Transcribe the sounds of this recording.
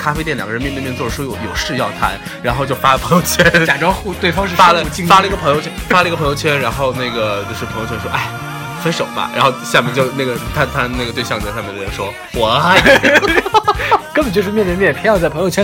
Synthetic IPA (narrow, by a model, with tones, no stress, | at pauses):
kʰa˥fe˥ɪt̪ɛ˥˩lj̰ɡə˧ɻə˧˥mɛ˥˧nt̪ɛ˥˧t͡swɔ˥˩ə˩ʂwɔ˥˩jo˧˥ʊjo˨˩ʊʂɻ̩˥˧jɑ˥˩ʊt̪ʰa˥˩n | ɻa˧˥nxo˥˧ʊt͡ɕo˥˧˩ʊfa˥˩pʰɤ˧˥ŋjo˥˧ʊt͡ɕʰɥɛ˥nt͡ɕja˨˩ʈ͡ʂɑ˥ŋxu˥˩t̪we˥˩ɪfɑ˥ŋʂɻ̩˧fa˥lə˨˧˩t͡ɕi˥˧ŋfa˥lə˧i˧˥ɡə˧pʰɤ˧˥ŋjo˧ʊt͡ɕʰɛ˥nfa˥lə˩˧ɡə˩pʰɤ˧˥jʊt͡ɕʰɥɛ˥nɻa˧˥nxo˥˧ʊna˥˩ɡə˩t͡ɕo˥˧ʂɻ̩˥˩pʰjo˥˩t͡ɕʰɛ˥nʂwɔ˥ʔa˥˩ɪ˨˩ | fə˥nʂo˨˩ʊbɐ̰˦ɻa̰˧˥nxo˥˧ʊɕja˥˧mjɛ̰˥˧nt͡ɕjo˥˧ʊna˥˩ɡə˩t̪ʰa˥˧nt̪ʰa˥˧n˥˩ɡə˩t̪we˥˧ɪɕɑ˥˧ŋjɕɑ˥˧mjɛ˥˩˥ʂwɔ˥ | wɔ˨˩˥ | kə˥nbə˨˩t͡ɕo˥˧ʊʂɻ̩˥˧mjɛ˥˧ntə˥˧˥mjɛ˥˩pʰe˧˥jɑ˥˧ʊt͡sɪpʰɤ˧˥jo˥˧ʊt͡ɕʰɛ˥n